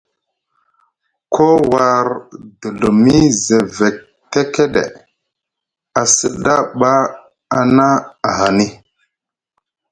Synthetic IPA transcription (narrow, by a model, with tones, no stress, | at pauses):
kʰo˦wa˨ɾdə˨lu˨mi˦ze˨ve˨k̚ | te˦ke˦ɗḛ˨ | a˨sə˨ɗa˦ɓa˦ | a˨na˦a˨ɦa˨ni˦